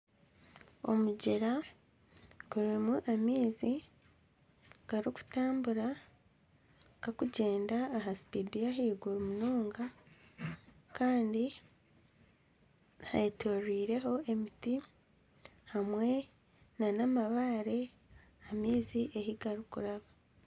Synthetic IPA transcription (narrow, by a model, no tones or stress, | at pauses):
o̞̰muɟeɾa | ɡ̥uɾimuʔamiːzi | ɡ̥aɾiuku̥taːmbuɾa | ɡakuɟe̞ːndaːɦasi̥pidijaɦiːɡuɾumunoːŋɡa | kaːndi | ha̰itoriːɾe̞ɦo̞ʔe̞miti | hamwe̞ | nanamaβaːɾe̞ | amiːziʔe̞hiɡaɾukuɾaβa